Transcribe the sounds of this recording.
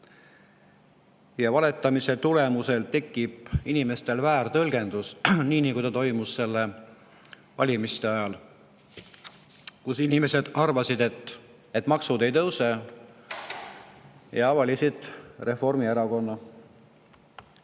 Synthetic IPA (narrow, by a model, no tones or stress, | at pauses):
jɑvɑle̞t̪ːˑɑmise̞t̪ule̞muse̞lt̪e̞kːˑib̥inime̞st̪e̞lvæːrt̪ɤlɡ̥e̞nd̪̥usniːnikujt̪ɑt̪o̞jmusːe̞lːe̞ | vɑ̰lʲimist̪e̞ɑjɑl | kusinime̞se̞d̪̥ɑrvɑsid̪e̞t̪ːˑ | et̪ːˑmɑksud̪e̞jt̪ɤwse | jɑɑvɑlisid̪̥re̞fo̞rmieɾɑko̞nːɑ